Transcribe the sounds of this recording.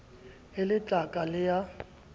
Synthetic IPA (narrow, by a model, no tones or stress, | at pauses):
ɪlɪt͡ɬʼakʼalɪja